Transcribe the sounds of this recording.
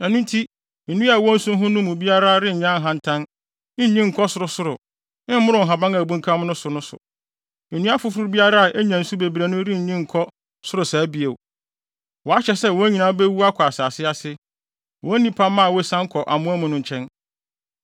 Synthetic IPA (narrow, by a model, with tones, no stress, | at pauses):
æ˨nũ˦n˦tʰi˦ | n̩˨nũ˦a˨wɔ˦n̩˦sʊ̃˦m˦ɦʊ̃˦nʊ̃˦mʊ̃˨bi˦a˦ɾa˦ɾɪ̃˦ɲ̩˨ɲã˦˨ɦã˨n̩˨tʰã˦n | ɪ˦ɲĩ˦ŋ̩˨kʰɔ˦sʊ˨˦ɾʊ˨sʊ˦ɾʊ˨ | ɪ̃˦m˦mʊ˦ɾʊ̃˨ɦa˨bã˦ŋæ˨bũ˦ŋ˦kʰã˦mnʊ̃˦sʊ˨nʊ̃˦sʊ̰˨ | e˨nũ˦a˦fʊ˦fɾʊ˦ɾʊ˦bi˦a˦ɾa˦a˨ʔe˦ɲã˨n̩˦su˦be˨bi˨ɾe˨nʊ̃˦ɾɪ̃˦˨ɲĩ˦ŋ̩˨kʰɔ˦ | sʊ˦ɾʊ˨saː˨˦bi˨e˨ | wɔ˨a˦ɕɛ˨sɛ˦wɔ˨˦ɲĩ˨nã˨˦bɛ˦wu˦a˦kʷʰɔ˨a˨saː˨sɪ˦a˨sɪ˦ | wʔɔ˨˦nĩ˦pʰã˦mːã˦a˨wɔ˦sã˦ŋ˦kʰɔ˨ʔa˨mʊ̃˦æ˦mʊ̃˨nʊ̃˨ɲ̩˨t͡ɕʰɛ̃˦n